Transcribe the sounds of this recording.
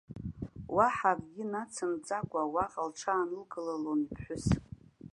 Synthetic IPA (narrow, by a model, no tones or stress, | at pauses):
waħarɡʲɪnat͡sʰɨmd͡zʼakʷʼawaqʼalʈ͡ʂʷʰaːnɨlɡɨlalonipʰħʷʊs